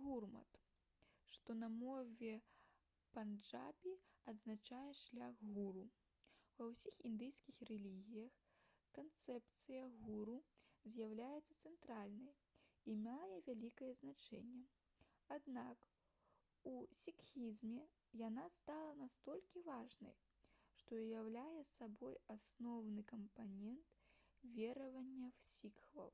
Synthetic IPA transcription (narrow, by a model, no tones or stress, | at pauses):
ɣurmɐ̰t̪ | ʂt̪ɔnɐmɔvʲɛ | pand͡ʐa̰bʲiɐd̪znat͡ʂajɛʂlʲaɣɣuɾu | vɐwsʲixind̪ɨjskʲixrɛlʲiɣʲijɐx | kant̪sɛpt̪sɨjɐɣuɾuzʲjawlʲajɛt̪sːɐ̥t̪sɛnt̪ɾalʲnɐj | imajɛvʲalʲikɐjɛznat͡ʂɛ̰nʲːɛ | ad̪nak | usʲikxʲizʲmʲɛ | janast̪alˠɐnast̪ɔlʲkʲivaʐnɐ̰jʂt̪ɔjawlʲajɛsabɔjasnɔwnɨkɐmpanʲɛnt̪vʲɛɾɐvɐnʲːɐwsʲikxvɐ̰w